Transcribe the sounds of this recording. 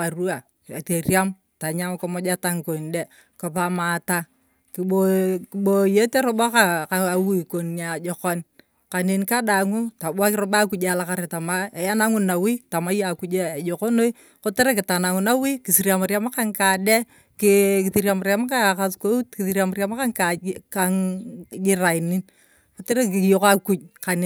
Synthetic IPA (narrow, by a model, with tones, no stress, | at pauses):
a˨ru˦a˨ | a˨te˨rja˦m | ta˨ɲa˦mko˦mɔ˦d͡ʒa˦ta˦ŋko˨nde˦ | ko˨pa˨ma˨ta˦ | ki˨o˨ɓo˨je˦te˦ɾʊ˦ba˦ka˨ka˨a˨wi˦˨ko˨na˨d͡ʒɔ˨kɔ˦n | ka˨ne˨nka˦da˨ŋu˦ta˨ɓwa˦kɪ˦ɾʊ˦ɓa˦ku˦d͡ʒe˦˨la˨ka˦ɾe˨ta˨ma˦e˨ja˦na˦ŋʊ˦na˨wi˦ta˨ma˦ja˨ku˦d͡ʒe˦a˨jo˨ko˦no˦i˦ | ko˦te˦ɾe˦kɪ˨ta˨na˨ŋʊ˨na˦wi˦kɪ˨si˨ɾja˨ma˨ɾja˦ma˦ka˦ŋka˨dɛ˦ | kɪ˨kθi˨ɾja˨ma˨ɾja˦ma˦ka˦˨ka˦sko˦ki˨θi˨ɾja˨mʊ˨ɾja˦ma˦ka˦ŋka˨ka˦ŋɡɪ˦ɾa˨ɪ˨ni˦n | ko˨˦te˦ɾe˦k̬ɪ˨jo˦ka˦ku˦t͡ʃ̚ka˨n˨